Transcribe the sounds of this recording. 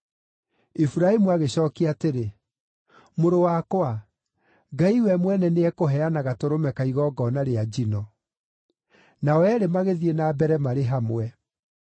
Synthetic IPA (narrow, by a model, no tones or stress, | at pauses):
ifuɾaimuaɣeɕɔːkiateɾe | moɾowakwa | ɡaiwɛmwɛnɛneɛkoɦɛanaɣatoɾomɛkaiɣɔːɡɔnaɾead͡ʒinɔ | naɔɛɾemaɣeðienaːbɛɾɛmaɾeɦamwɛ